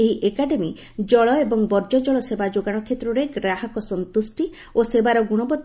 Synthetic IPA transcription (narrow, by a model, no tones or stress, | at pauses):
eɦiʔekaɖemi | d͡ʒɔɭɔebɔŋbɔɾd͡ʒɔd͡ʒɔɭɔsebad͡ʒoɡaɽ̃ɔkʰet̪ɾɔɾeɡɾaɦɔkɔsɔnt̪usʈi | osebaɾɔɡuɽ̃ɔbɔt̪